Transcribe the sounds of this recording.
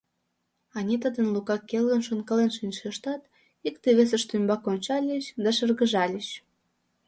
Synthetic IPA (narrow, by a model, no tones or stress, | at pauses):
ɑnʲit̪əd̪ə̆nlukɑkːelɣə̆nʃonkəlenʃinʲʃeʃt̪ɑt̪ | ikt̪eβes̬ə̆ʃt̪ymbɑkonʲt͡ɕɑlʲəɕd̪ɑʃərɣəʒɑlʲəɕ